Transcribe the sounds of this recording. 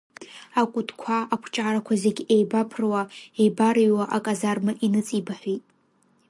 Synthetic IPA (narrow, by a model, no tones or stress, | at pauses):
akʷʼʊtʰkʷʰaːkʷʰt͡ʃʼaɾakʷʰazeɡʲejbapʰrwaejbaɾijwaʔakʼazarmɨʔinɨt͡sʼibaħʷᶣitʼ